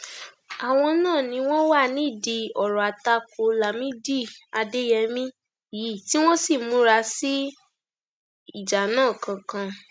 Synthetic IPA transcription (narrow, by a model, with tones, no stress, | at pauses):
a˨w̃ɔ̃˧nãː˦˨nĩ˧w̃ɔ̃˦wa˦˨nĩ˨˦˨di˧ɔ˨ɾɔ˨a˨ta˧ko˨˦la˨mĩ˦di˦˨a˧de˦jɛ˧mĩ˦˨ | ji˨˦˨ti˦w̃ɔ̃˦si˦˨mũ˦ɾa˧si˦ | i˦˨d͡ʒa˨nãː˦˨kã˧kã˧